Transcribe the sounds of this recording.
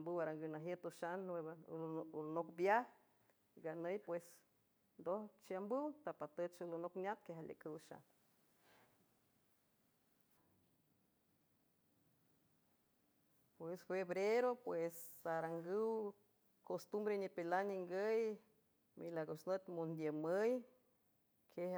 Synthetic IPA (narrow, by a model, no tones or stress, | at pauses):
ambɨwaɾaŋɡɨwnaɦjət̪oʃan | nokbjah | iɡanəjpwes | nd̪oht͡ʃiambɨwt̪apat̪ət͡ʃulonoknjat̪̚keɦalʲḛkʼɨwʃa̰n | pwesfeβɾeɾopwesaɾaŋɡɨw | kost̪umbɾeɲipelaniŋɡəj | milaɡosnət̪mond̪jəməj | kʰe